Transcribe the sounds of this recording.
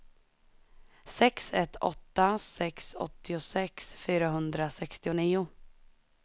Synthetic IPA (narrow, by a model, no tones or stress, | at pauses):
sɛksɛt̪ʰːɔ̰t̪ːasɛksɔ̰t̪ʰːɪʊsɛksfyːɾaɦɵnd̪ɾasɛkst̪ɪʊniːʊ